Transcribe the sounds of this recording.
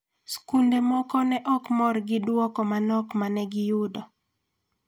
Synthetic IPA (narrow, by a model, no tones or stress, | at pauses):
skundemɔkɔnɛʔɔkmɔrɡɪdwɔkɔmanɔkmanɛɡɪjʊdɔ